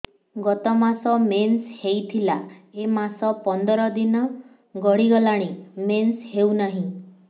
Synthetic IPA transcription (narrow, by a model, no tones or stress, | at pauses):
ɡɔt̪ɔmasɔmenshejt̪ʰilaemasɔpɔnd̪ɔɾɔd̪inɔ | ɡɔɽiɡɔlaɽ̃imensheunaɦĩ